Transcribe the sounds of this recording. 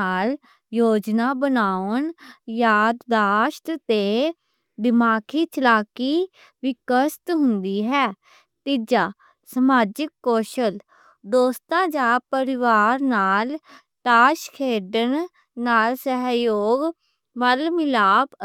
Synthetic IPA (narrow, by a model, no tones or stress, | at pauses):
aːl | joːd͡ʒnaːbənaːənjaːd̪d̪aːʃt̪t̪eː | d̪ɪmaːkʰiːt͡ʃəlaːkiː | ʋɪkəst̪ɦʊ̃nd̪iːɦɛː | t̪id͡ʒaː | səmaːd͡ʒɪkːoːʃəl | d̪oːst̪ãːd͡ʒaːpəɾɪʋaːɾnaːl | ʈaːʃkʰeːɖən | naːlsəɦjoːɡ | məlmɪlaːp